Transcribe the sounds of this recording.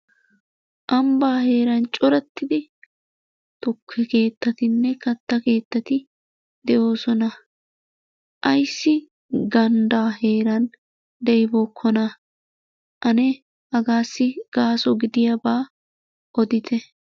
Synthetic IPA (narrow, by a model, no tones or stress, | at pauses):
ʔɐmbaːhe̞ːɾɐnt͡ʃʼɔɾɛt̪ːɪd̪ɪ | t̪ʊkʰːɛke̞ːt̪ːɐt̪ɪnːɛkɐt̪ːɐke̞ːt̪ːɐt̪ɪ | d̪̥ɛʔo̞ːsɔnɐ | ʔɐjsːɪ | ɡɐnd̪aːhe̞ːɾɐn | d̪ɛjboːkʰːɔnɐ | ʔɐnɛ | ɐɡaːsːɪɡ̥aːsɔɡɪd̪ɪjɐbaː | ʔɔd̪ɪt̪ʰɛ